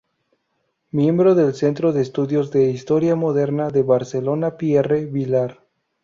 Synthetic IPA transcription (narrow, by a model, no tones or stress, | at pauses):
mje̞mbɾo̞ðe̞lse̞nt̪ɾo̞ðeːst̪uðjo̞zðe̞ist̪o̞ɾjamo̞ðe̞ɾnaðe̞βaɾselo̞napjereβilaɾ